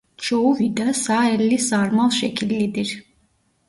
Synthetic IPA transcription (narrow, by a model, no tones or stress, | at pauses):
t͡ʃʰouvid̪asaːɛlːisaɾmalˠʃɛcʰilːid̪iɾ